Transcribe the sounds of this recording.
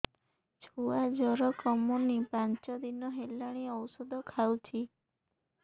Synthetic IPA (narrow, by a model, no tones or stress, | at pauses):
t͡ʃʰuad͡ʒɔɾɔkɔmunipant͡ʃɔd̪inɔɦelaɽ̃iɔwsɔd̪ʱɔkʰawt͡ʃʰi